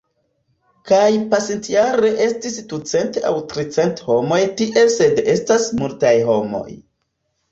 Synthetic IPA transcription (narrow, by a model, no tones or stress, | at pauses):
kajpasintjaɾe̞ʔe̞stisdut͡se̞nta̰wtɾit͡se̞ntho̞mo̞jtiʔe̞lse̞de̞stasmultajɦo̞mo̞̰j